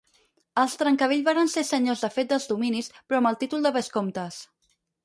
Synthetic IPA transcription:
əlˠst̪ɾəŋkəβeʎzβaɾənsesəɲozðəfet̪̚d̪əlˠzðuminispɾɔməlˠt̪it̪ulˠd̪əβəskomt̪əs

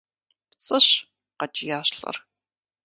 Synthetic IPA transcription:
pt͡sʼɨɕ | qɐd͡ʒɪjaːɕɬɐ̰r

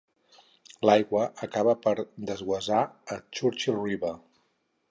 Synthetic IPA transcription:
lajɣwəʔəkaβəpəɾd̪əzɣwəzaət͡ʃuɾt͡ʃiriβə

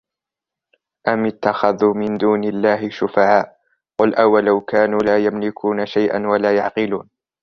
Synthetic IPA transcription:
ʔamɪt̪ːaxaðuːmɪnd̪uːnɪlːaːɦɪʃʊfaʕaːʔ | qʊlʔawalawkaːnuːlaːjamlɪkʰuːnaʃajʔa̰nwalaːjɑʕqɪluːn

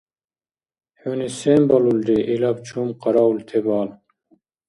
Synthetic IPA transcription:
huniseːmbɐluld̪iʔilɐb̚t͡ɕʰuːmqɑɾɑːult̪ʰebɑːl

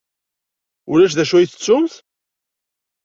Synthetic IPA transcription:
ʊlæʃðæʃujiθət͡sːʊmθ

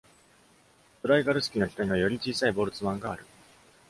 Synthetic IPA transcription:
t̪oɾaiɡaɾɯ̟sɨ̥kʲino̞çi̥t̪oɲ̟iβajo̞ɾʲit͡ɕiːsaibo̞ːɾɯ̟t͡sɨmãŋɡaːɾɯ̟

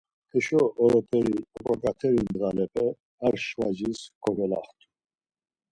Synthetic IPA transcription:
ɛʃɔːɾɔpʰʼɛɾiɔkʼɔkʼat̪ʰɛɾind̪ɾalɛpʰʼɛ | aɾʃvad͡ʒiskʰʼɔɡɛla̰χt̪ʰʼu̥

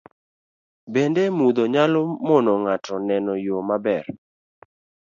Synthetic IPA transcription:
bendemud̪oɲalomɔnɔŋatɔnɛnɔjomabɛr

